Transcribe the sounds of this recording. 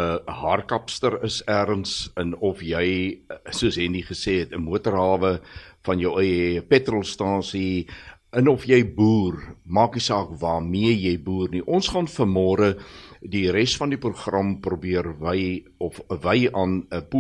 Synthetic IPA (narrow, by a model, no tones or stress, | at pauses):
əɦɑːrkɐpstəɾəsæːrənsənɔfjɛjsuəsɦɛndiχəseːɦɛtəmuətərɦɑːvəfɐnjəwəjəpɛtrɔlˠstɑːsi | ənɔfjɛjbuːrmɑːknisɑːkvɑːmiəjɛjbuːrniʔɔnsχɑnfərmɔːɾədiɾɛstfɐndipruχrɐmprubiərvəj | ɔfəvəjɑːnəpu